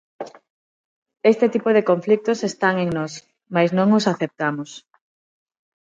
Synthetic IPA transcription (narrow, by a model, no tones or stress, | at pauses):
est̪ɪt̪ipʊðekoɱflik̚t̪ʊsest̪aŋeŋnɔs | majznõŋʊsaθep̚t̪amʊs